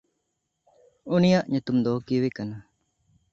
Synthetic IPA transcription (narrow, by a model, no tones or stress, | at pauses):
unijaʔɲut̪umd̪ɔkiwekana